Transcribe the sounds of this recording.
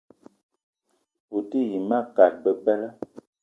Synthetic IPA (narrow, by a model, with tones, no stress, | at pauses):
u˨ti˦ji˨ma˦˨ka˨t̚bə˦pɛ˦lə˦